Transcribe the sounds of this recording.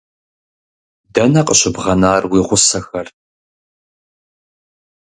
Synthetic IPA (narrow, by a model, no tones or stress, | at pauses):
dɐnɐqəɕɪbʁɐnaːrwiːʁʷʊsɐxɐr